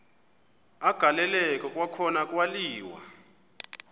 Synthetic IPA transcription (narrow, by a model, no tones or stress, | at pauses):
aɡ̥ʱalɛlɛkʼɔkʼwakʰɔnakʼwaliːwa̰